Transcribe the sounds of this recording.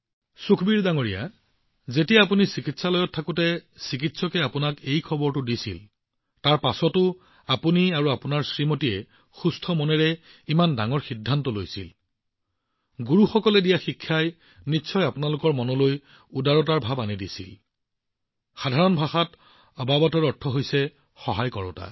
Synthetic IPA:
sukʰbiɹdaŋoɹija̰ | zetijaːpunisikitsalɔjɔtʰːakutɛsik̬itsɔkɛapʊnakejkʰɔbɔɹtʊdisḭl | taɹpasɔtʊ | apuniaɹuapʊnaɹsɹimotiɛ | xustʰɔmɔnɛɹɛ | imandaŋɔɹxidʱːantɔlojsḭl | ɡuɹuxɔkɔlɛdijaxikʰːaj | nitːsʰɔjapʊnalʊkɔɹmɔnɔloj | udaɹɔtaɹbʱabanidisḭl | xadʱaɹɔnbʱaxat | ɔbabɔtɔɹɔɹtʰːɔɦojsɛ | xɔɦajkɔɹɔ̰ta̰

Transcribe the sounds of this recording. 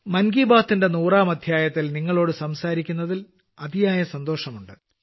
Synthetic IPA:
mɐnɡiːbaːt̪ːinde̞nuːraːmɐd̪ʱjaːjɐt̪ːilniŋːɐɭo̞ːɽɨsɐmsaːɾikʲːunːɐðil | ɐðijaːjɐsɐnd̪o̞ːʂɐmuɳɖɨ

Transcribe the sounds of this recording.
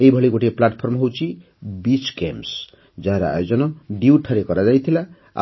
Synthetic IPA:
ejbʱʌɭiɡoʈeplaʈpʰormɦowt͡sʰi | bit͡skḛms | d͡zaɦeɾa̰a̰jod͡zʌnʌɖiwʈʰʌɾekʌɾad͡zajt̪ʰila̰

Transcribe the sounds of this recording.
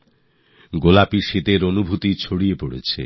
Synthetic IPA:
ɡolapiʃit̪eɾonubʱut̪it͡ɕʰoɽijepoɽḛt͡ɕʰḛ

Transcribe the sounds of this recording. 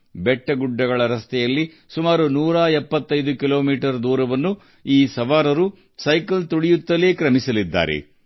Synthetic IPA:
bɛʈːɐɡuɖːɐɡɐɭɐɾɐst̪ʰɛjɐlːi | sumaːɾunuːɾaːɛpːɐt̪ːɐjd̪ukilo̞ːmiːʈɐɾd̪uːɾɐʋɐnːu | iːsɐʋaːɾɐɾu | sɐjkɐlt̪uɽijut̪ːɐleːkɾɐmisɐlid̪ːa̰ːɾḛ

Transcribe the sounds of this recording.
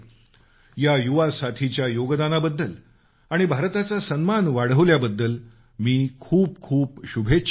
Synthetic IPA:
jajuʋasat̪ʰit͡ɕjajoɡd̪anabəd̪ːəl | aɽ̃ibʱaɾt̪at͡sasənmanʋaɽ̤əʋljabəd̪ːəl | miːkʰuːp̚kʰuːpɕubʱe

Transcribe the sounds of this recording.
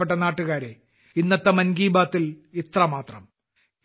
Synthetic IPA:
eʈ̬ːɐnaːʈːuɣaːɾe | inːɐt̪ːɐmɐnɡiːbaːt̪ːilit̪rɐmaːt̪rɐ̰m

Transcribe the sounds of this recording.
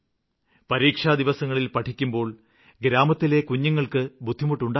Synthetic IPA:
pɐɾiːkʂaːd̪iʋɐsɐŋːɐɭilpɐʈʰikʲːumbo̞ːɭ | ɡɾaːmɐt̪ːile̞kuɲːuŋːɐɭkɨbud̪ʱːimuʈːuɳɖaː

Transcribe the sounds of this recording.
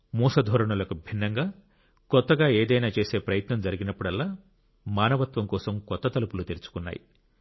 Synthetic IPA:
muːsɐd̪ʱɔːɾɐɳɐlɐkubʱinːɐŋɡaː | kɔt̪ːɐɡaːeːd̪ɐjnaːt͡ʃe̞ːse̞ːpɾɐjɐt̪nɐmd͡ʒɐɾiɡinɐpːuɽɐlːaː | maːnɐʋɐt̪ʋɐmkɔːsɐmkɔt̪ːɐt̪ɐlupulut̪eɾit͡ʃu̥kunːa̰ːjḭ

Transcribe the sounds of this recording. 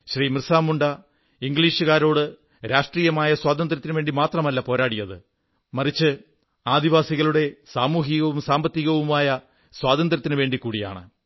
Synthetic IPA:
ɕriːmrɨsaːmuɳɖɐ | iŋɡliːʂɨɣaːɾo̞ːɽɨ | ɾaːʂʈriːjɐmaːjɐswaːd̪ɐnd̪rɐt̪ːinɨʋe̞ːɳɖimaːt̪rɐmɐlːɐpo̞ːɾaːɽijɐðɨ | mɐrit͡ɕːɨ | aːd̪iʋaːsiɣɐɭuɽe̞saːmuːɦiɣɐʋumsaːmbɐt̪ːiɣɐʋumaːjɐ | swaːd̪ɐnd̪rɐt̪ːinɨʋe̞ːɳɖikːuːɽija̰ːɳɨ

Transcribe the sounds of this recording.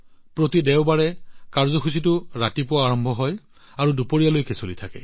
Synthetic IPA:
pɹotidɛwbaɹɛkaɹzɔkʰusitʊɹatipʊaaɹɔmbʱɔɦɔj | aɹudupoɹijalojkesolitʰakɛ̰

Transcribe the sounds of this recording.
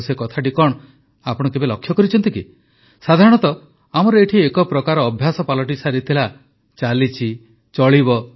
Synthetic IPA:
sekɔt̪ʰaʈikɔɳ̃ | apɔɽ̃ɔkebelɔkʰːjɔkɔɾit͡ʃʰɔnt̪iki | sad̪ʱaɾɔɽ̃ɔt̪ɔ | amɔɾɔeʈʰiekɔpɾɔkaɾɔːbʱjasɔpalɔʈisaɾit̪ʰila | t͡ʃalit͡ʃʰi | t͡ʃɔɭibɔ

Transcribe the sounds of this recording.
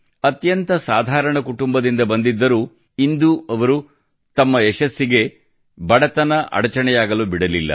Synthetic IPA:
ɐt̪jɐnt̪ɐsaːd̪ʱaːɾɐɳɐkuʈumbɐd̪ind̪ɐbɐnd̪id̪ːɐɾuː | ind̪uɐʋɐɾu | t̪ɐmːɐeʃɐsːiɡe̞ | bɐɽɐt̪ɐnɐʔɐ̰ɽɐt͡ʃɐɳɛjaːɡɐlubiɽɐlilːɐ̰

